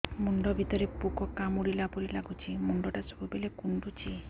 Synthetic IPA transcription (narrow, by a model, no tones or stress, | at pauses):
muɳɖɔbʱit̪ɔɾepukɔkamuɾilapoɾilaɡut͡ʃʰimuɳɖɔʈat͡ʃɔ̥bubelekuɳɖut͡ʃʰi